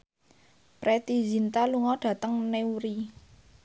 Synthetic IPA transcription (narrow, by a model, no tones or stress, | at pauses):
pɾet̪izint̪aluŋɔɖ̥ä̤t̪əŋneuɾi